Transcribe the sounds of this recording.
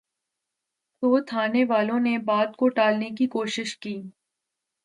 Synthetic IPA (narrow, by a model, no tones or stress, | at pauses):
soːt̪ʰaːneʋaːlõnebaːd̪koʈaːlnekikoːʃɪʃkiː